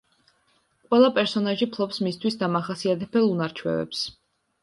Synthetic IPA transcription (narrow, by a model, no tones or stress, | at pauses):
qʼwɛlˠapʼɛɾsɔnaʒipʰlˠɔpsmist̪ʰwisd̪amaχasiat̪ʰɛpɛlˠunaɾt͡ʃʰwɛ̰vɛ̰ps